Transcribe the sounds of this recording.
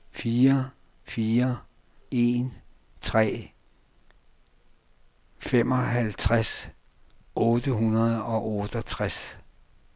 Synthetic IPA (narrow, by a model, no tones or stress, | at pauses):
fiːɐ | fiːɐ | e̝n | t͡sʰʁɛ̰ː | fem̰ɒ̽ɦælt͡sʰʁas | ɔ̽ːd̥əɦunɐð̞ˠɒ̽ʔɔd̥ət͡sʰʁas